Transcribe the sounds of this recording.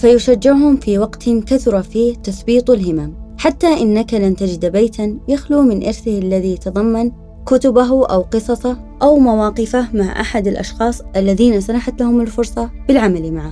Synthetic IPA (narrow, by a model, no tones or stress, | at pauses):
fajʊʃad͡ʒːɪʕhʊmfiwɑqt̪nkaθʊɾˤɑfiːht̪ɑsbiːt̪ˤalɦɪmaːmħat̪ːaʔɪnːakalamt̪ad͡ʒɪd̪bejt̪ʰanjaxluːmɪnʔɪɾθɪhʔalːaðijat̪ɑðˤɑmːan | kʊt̪ʊbaɦʔawqɨsˤɑsˤɑ | ʔawmawɑːqɪfamaʕʔa̰ħad̪ɪlʔɑ̰ʃxɑːsˤʔalːaðiːnasanaħat̪lahʊmɪlfʊɾsˤɑb̥ɪlʕamalimaʕa